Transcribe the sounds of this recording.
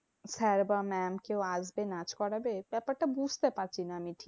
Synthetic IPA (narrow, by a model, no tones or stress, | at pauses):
sɛɾbamɛmkeoad͡ʒbenat͡ʃkɔɾabebɛpaʈabud͡ʒʱt̪epaɾt͡ʃʰinaɐmiʈʰi